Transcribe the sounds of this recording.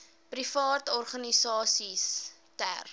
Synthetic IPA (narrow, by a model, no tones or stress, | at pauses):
prifɑːtɔrχɐnisɑːsistæ̰r